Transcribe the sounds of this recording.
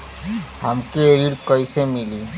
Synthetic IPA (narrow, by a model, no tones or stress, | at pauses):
hamkeeɾiɾkɔjsemili